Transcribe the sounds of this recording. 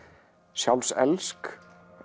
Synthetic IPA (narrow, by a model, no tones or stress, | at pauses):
sjawlsɛ̰lsk